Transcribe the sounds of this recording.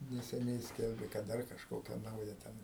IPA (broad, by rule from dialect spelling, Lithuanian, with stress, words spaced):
nʲɛsʲɛˈnʲɛɪ ˈsʲkʲɛlʲbʲeː kɐt ˈdɐr kɐʃˈkoːkʲɛ ˈnɐʊjɛ ˈtʲɛn